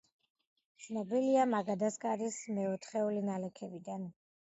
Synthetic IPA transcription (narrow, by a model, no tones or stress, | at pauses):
t̪sʰnɔbiliamaɡad̪askʼaɾismɛɔt̪ʰχɛulinalɛkʰɛbid̪an